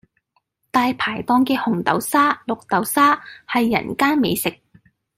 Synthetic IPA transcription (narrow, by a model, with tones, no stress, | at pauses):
t̪aː˧jpʰaː˨˩jt̪ɔː˧ŋkɛː˧hʊ˨˩ŋt̪ɐ̰˨˥wsaː˥lʊ˨k̚t̪ɐ˨˥wsaː˥hɐ˨jːɐ̰˨˩nkaː˥nme˨˧jsɪ˨k̚